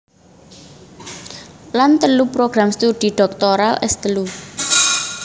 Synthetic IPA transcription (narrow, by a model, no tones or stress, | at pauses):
lant̪əlupɾoɡ̥ɾamst̪ud̪̥i̤ɖ̥ɔ̤k̚t̪oɾalʔɛ̰st̪əlu